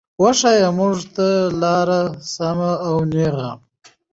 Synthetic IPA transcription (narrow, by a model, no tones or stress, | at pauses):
waʂajamʊʐt̪alɑɾasamaːwneɣa̰